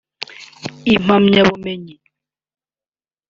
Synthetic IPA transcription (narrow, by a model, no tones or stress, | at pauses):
imamɲabɔmeɲi